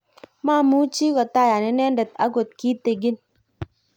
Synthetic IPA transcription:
maː˦mu˦t͡ʃi˦kɔ˨ta˦˨ja˨ne˦nɛ˦n˦de˨t̚a̰˦ɡo˨t̚ki˦te˨ɡi˦n

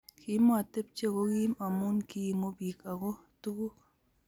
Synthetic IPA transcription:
kʰi˨˦m˦a˦˨te˦p̚t͡ʃe˦˨ko˦ɡi˦ma˨mu˦nki˦˨mo˦bi˨ka˨ɡo˦tu˦ku˦

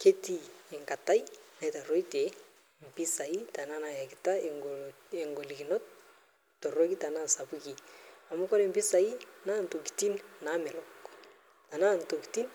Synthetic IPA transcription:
ke˦ti˦ɛ˨ŋka˨ta˦i˦na˦˨i˦ta˨ɾo˦i˦te˨ | m˨pi˦sa˨i˦ta˨na˦na˨ja˨ki˨ta˦ŋɡ | e˨ŋɡo˨li˨ɡi˨nɔ˦t | tɔ˨ɾo˦ki˦ta˨na˦˨sa˨bu˦ki˨a˨mu˦kɔ˦ɾe˦˨mbi˦sa˨i˦na˦˨n˨to˨ki̥˨ti˦nna˨˦mɛ˨lɔ˦k | ta˨na˦˨nto˨ki̥˨ti˦n

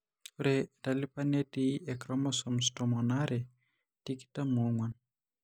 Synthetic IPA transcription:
uɾɛda˨lɪ˦pa˦ne˦tiɛ˨kɾɔ˦mɔsɔmstɔmɔ˨naɾɛ˨ | ti˦ki̥ta˦mu˨ŋwa˨n

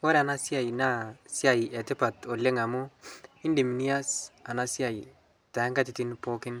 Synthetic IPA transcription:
o˦ɾe˦a˨na˦si˦a˨ji˨na˦si˦a˨jɛ˨tɪ˦pa˨to˨le˦ŋa˨mu˦ɪ˦nde˨mi˨ni˦a˦sa˨na˦si˦a˨i˨ | ta˨ɛ˦ŋɡa˦t̬ɪ˨ti˦npo˦kɪ˦n

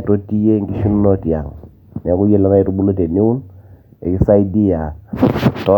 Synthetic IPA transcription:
to˦ti˦je˦ŋɡi˦ʃu˦n˦nɔ˦ti˨a˨ŋ | n˨ɛ˨ku˦je˦la˦ŋa˦ɛ˨˦tu˦bu˦lo˦te˨ni˦u˦nɛ˨kɪ˦sa˦i˦di˦ja˨ | tɔ˦

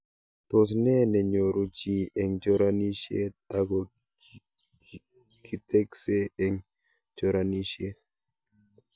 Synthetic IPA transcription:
t̪o˨s̬nɛ˦nɛ˨ɲo˨ɾu˨t͡ʃi˨ɛ˨ŋd͡ʒo˦ɾani˦ʃjḛ˦ta˨ko | ki˨tɛ˦kse˦ɛ˨ŋ | t͡ʃo˨ɾa˨ni˦ʃje˦

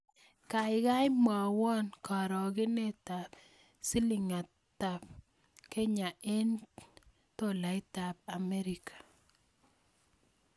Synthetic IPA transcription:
ka˨ɪ˨ka˦jma˨wɔ˦nka˨ɾɔ˨ɡɪ˦ne˦ta˨p | si˦li˨ŋa˨ | ta˨p | ke˦ɲa˨e˦n | to˦la˨ɪ˦ta˨p̚a˨mɛ˦ɾi˨kʰḁ˨

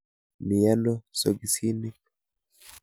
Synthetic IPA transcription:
mi˨ja˦nɔ˦so˨ɡi˨si˦ni˦

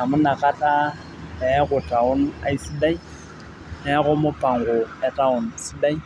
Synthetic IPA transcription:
a˨mʊ˦na˨kʼa˦tʼa˦ | ɛ˨˦ɣʊ˨tʼa˨ʊ˦n̩a̰˦i˦si˦da˦i˦ | ɛ˦ɣʊ˦mʊ˦pʼa˨ŋɡʊ˨ɛ˨tʼa˦ʊ˨n̩si˦da˦i˦

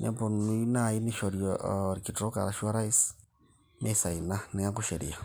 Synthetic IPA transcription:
ɲa̰˨mbo˨nu˦na˨i˦niʃɔ˨ɾjɔɾiki˨tɔ˦ka̰˨ɾa˨ʃu˦a˦ɾa˦i˦s | nɛ˦sa˨i˨na˦ni˨ŋa˦ŋku˦ʃɛ˨ɾḭa˨

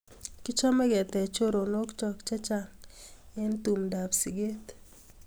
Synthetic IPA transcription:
ki˦t͡ʃɔ˦mɛ˦ɡɛ˨t̪ɛ˨t͡ʃo˦ɾo˨no˦kt͡ʃɔ˦kt͡ʃa˦t͡ʃa˦ŋɛ˦nt̪u˨mda˨psi˨ɡe˦t̪

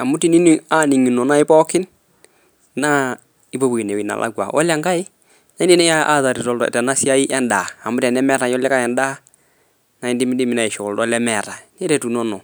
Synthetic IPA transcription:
a˨mu˦ti˦˨ni˦ni˨a˦ni˨ŋi˨nɔ˨na˦ɪ˦pɔ˦kɪ˦n | na˦ | i˦bo˦bu˨i˨ne˨wi˨na̰˨lʔa̰˦ɡwa̰˨ʔɔ̰˦la˦ŋɡa˦ɪ˦ | n˦di˦nɛ˦ja˦ʔa˦za˨ɾi˨tɔ˦ldɔɛ̰˨tɛ˨na˦si˦a˦i˦ʔɛ˦nda˨a˨mu˦ɾɛ˨nɛ˦mɛ˦ɾa˨jɔ˦lɛ˦ka˦˨ɛ˨nda˦ | na˨i˨ndi˦mi˦di˦mi˨na˨i˨ʃɔ˨ldɔ˦lɛ˦mɛ˨ɾa˨nɛ˦ɾɛ˨tu˨nɔ˦nɔ˨

